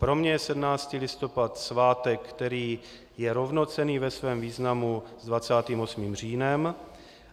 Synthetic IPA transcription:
pɾo̞mɲɛjɛsɛdmnaːt͡st̪iːlɪst̪o̞pat̪svaːt̪ɛkkːt̪ɛɾiː | jɛɾo̞vno̞t͡sɛniːvɛsvɛːmviːznamuzdvat͡saːt̪iːmosmiːmr̝iːnɛm

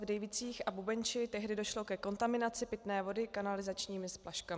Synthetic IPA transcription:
vdɛjvɪt͡siːxʔabubɛɲt͡ʃɪt̪ɛɦdɪdo̞ʃlo̞kɛko̞nt̪amɪnat͡sɪpɪt̪nɛːvo̞dɪkanalɪzat͡ʃɲiːmɪsplaʃkamɪ

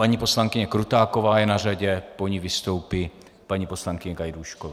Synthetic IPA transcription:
paɲipo̞slaŋkɪɲɛkɾut̪aːko̞vaːjɛnar̝aɟɛpo̞ɲivɪst̪o̞wpɪ | paɲiːpo̞slaŋkɪɲɛɡajduʃkovaː

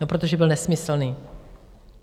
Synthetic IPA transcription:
opɾot̪oʒɛbɪlnɛsmɪsl̩niː

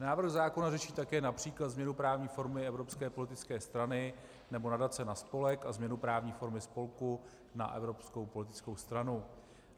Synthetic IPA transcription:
naːvɾ̩ɣzaːko̞narɛʃiːt̪akɛːnapr̝̥iːklat̪zmɲɛnupɾaːvɲiːfo̞ɾmɪɛvɾo̞pskɛːpo̞lɪt̪ɪt͡skɛːst̪ɾanɪ | nɛbo̞nadat͡sɛnaspo̞lɛkazmɲɛnupɾaːvɲiːfo̞ɾmɪspo̞lku | na̰ʔɛ̰vɾo̞psko̞wpo̞lɪt̪ɪ̥t͡sko̞wst̪ɾanu

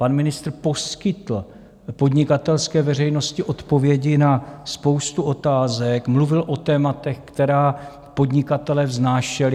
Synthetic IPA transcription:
panmɪnɪst̪rpo̞skɪt̪l̩ | po̞d̪ɲɪkat̪ɛlskɛːvɛrɛjno̞scɪʔo̞t̪po̞vjɛɟɪnaspo̞wst̪uʔo̞t̪aːzɛkmluvɪlʔo̞t̪ɛːmat̪ɛxkt̪ɛɾaː | po̞d̪ɲɪkat̪ɛlɛːvznaːʃɛlɪ

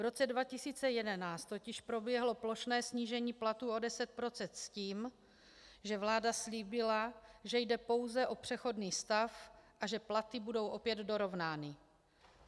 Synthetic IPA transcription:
vɾo̞t͡sɛdvacɪsiːt͡sɛjɛdɛnaːt͡st̪ːo̞cɪʃpɾo̞bjɛɦlo̞plo̞ʃnɛːsɲiːʒɛɲiːplat̪uːo̞dɛsɛt̪̚pɾo̞t͡sɛnt̪sciːm | ʒɛvlaːdasliːbɪlaʒɛjdɛpo̞wzɛʔo̞pr̝̥ɛxo̞dniːst̪afʔaʒɛplat̪ɪbudo̞wʔo̞pjɛd̪do̞ɾo̞vnaːnɪ

